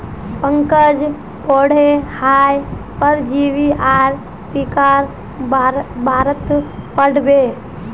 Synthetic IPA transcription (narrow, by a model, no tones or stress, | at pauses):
pəŋkəd͡ʒ | poːɽ̤ehaːjpəɾd͡ʒiʋiʔaɾ | pikaɾ | bʱaːɾət̪pəɽbe